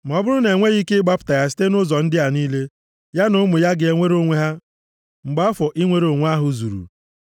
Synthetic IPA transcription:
m̩˨ɔ˨bʊ˦ɾʊ˦ne˨ŋʷe˦ɣi˦ke˦ɪ˦ɡ͡ba˦pʊ̥˨ta˨ja˦s̬i̥˦te˦nʊ˦zɔ˨n̩˦dɪ˦a˨niː˦le˦ | ja˦nʊ˦mʊ˨ja˦ɡɪ˨e˨ŋʷe˦ɾo˦ŋʷe˦ɦa˦ | ŋ͡m̩˨ɡ͡ba˦ɔ˦fɔ˨ʔi˦ŋʷe˦ɾo˨ŋʷ˦a˦ɦʊ˨zṵ˨ɾṵ˨

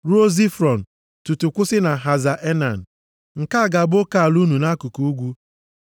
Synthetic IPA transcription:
ɾu˦o˦zi˦fɾɔ˨n̩˨ | tu˨tu˨kʷʊ˦sɪ˦na˨ɦa˨za˨ʔe˦na˨n̩˨ | ŋ̩˨ka˦˨ɡa˨bo˦ka˨a˨lu˦nu˨na˦ku˨ku˨u˦ɡʷu˦

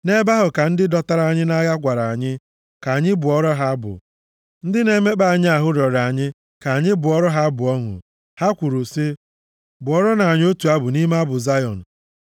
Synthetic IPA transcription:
ne˦ba˦ɦʊ˨ka˨n̩˦dɪ˦dɔ˨ta˦ɾa˨ɲɪ˦na˦ɡa˦ɡʷa˨ɾa˨ɲɪ˦ | ka˨ɲɪ˦bʊ˨ɔ˦ɾɔ˦ɦa˦bʊ̰˨ | n̩˦dɪ˦ne˦me˦k͡pa˦˨a˨ɲɪ˦a˨ɦʊ˦ɾɔ˨ɾa˨ɲɪ˦ | ka˨ɲɪ˦bʊ˨ɔ˦ɾɔ˦ɦa˦bʊ˨ɔ˦ŋʷʊ̰˨ | ha˦kʷu˨ɾu˨sɪ˦ | bʊ˨ɔ˦ɾɔ˦na˨ɲ˦o˦tu˨a˦bʊ˨ni˦ma˦bʊ˨za˦jɔ̰˨n̩˨

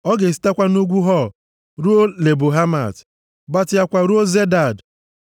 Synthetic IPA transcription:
ɔ˦ɡe˨si̥˦ta˦kʷa˦nu˦ɡʷu˦ɦɔ˦˨ | ɾu˦o˦le˨bu˨ɦa˦ma̰˨t | ba˦tɪ˨ja˦kʷa˨ɾu˦o˦ze˦da˦˨d

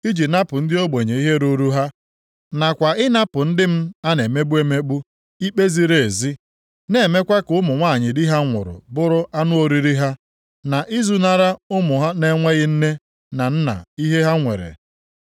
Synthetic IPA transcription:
i˦d͡ʒi˨na˦pʊ˨n̩˦dɪ˦o˦ɡ͡be˨ɲe˨i˦ɦe˦ɾu˦ɾu˦ɦa˦ | na˨kʷa˨ɪ˦na˦pʊ˨n̩˦dɪ˦m̩˦a˦ne˨me˦bu˦e˦me˦k͡pu˦ | i˦k͡pe˦zi˦˨ɾe˨e˨zi˦ | ne˨me˦kʷa˦kʊ˦mʊ˨ŋʷa˦˨ɲɪ˨dɪ˦ɦa˦ŋʷʊ̰˨ɾʊ̰˨bʊ˦ɾʊ˦ʔa˦nʊ˦o˦ɾi˦ɾi˦ɦa˦ | na˨ʔi˦zu˦na˦ɾa˦ʊ˦mʊ˨ɦa˦ne˦ŋʷe˦ɣɪ˦n̩˦ne˦ | na˨n̩˦na̰˨i˦ɦe˦ɦa˦ŋʷḛ˨ɾḛ˨

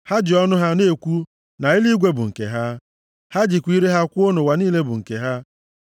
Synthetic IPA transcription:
ha˦d͡ʒɪ˨ɔ˦nʊ˦ɦa˦ne˦˨kʷu˦ | na˨i˦li˦ɡʷe˦bʊ˨ŋ̩˨kḛ˨ɦa˦ | ha˦d͡ʒɪ˨kʷi˦ɾe˦ɦa˦kʷʊ˦o˦no˨wa˨niː˦le˦bʊ˨ŋ̩˨kḛ˨ɦa˦

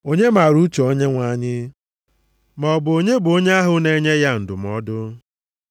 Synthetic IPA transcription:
o˦ɲe˦ma˨ɾu˦t͡ʃo˨o˦ɲe˦ŋʷa˦ɲɪ˦ | mɔ˨bʊ˨o˨ɲe˦bʊ˨o˦ɲe˦a˦ɦʊ˦ne˨ɲe˦ja˦n̩˨dʊ˨mɔ˦dʊ˦

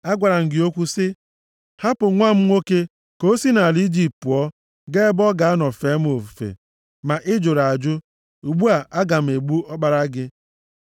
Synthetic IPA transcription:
a˦ɡʷa˨ɾa˨ŋ̩˨ɡɪ˨o˦kʷu˦sɪ˦ | ha˦pʊ˨ŋʷa˦m̩˦ŋʷo˦ke˦ | ko˦si˦na˨li˦d͡ʒi˦ptu˨ɔ˦ | ɡe˦bɔ˦ɡa˨a˦nɔ˨fe˨˦m˦o˨fu˨fḛ˨ | ma˨ʔɪ˦d͡ʒo˨ɾa˨a˨d͡ʒʊ˦ | u˨ɡ͡bu˦a˨ʔa˦ɡa˨m̩˨e˨ɡ͡bu˦ɔ˦k͡pa˨ɾa˦ɡɪ˦

